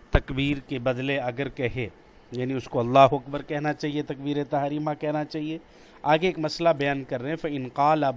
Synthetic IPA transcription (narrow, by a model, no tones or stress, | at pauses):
t̪ɐkbiːɾkebɐd̪leɐɡəɾkɛɦe | jaːniʊskoɐlːaːɦoɐkbəɾkɛɦnat͡ʃaːɦiet̪ɐk̚biːɾet̪aɦɾiːmãkɛɦnat͡ʃaːɦie | aːɡeeːkmɐslabɐjaːnkɐɾːeɦɛ̃fɐɪnqaːlɐ